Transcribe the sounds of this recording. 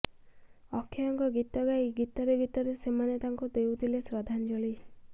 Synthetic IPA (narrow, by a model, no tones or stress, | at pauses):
ɔkʰːjaɔŋkɔɡit̪ɔɡajɡit̪ɔɾeɡit̪ɔɾesemanet̪aŋkud̪ewt̪ʰilesɾɔd̪ʱand͡ʒɔɭi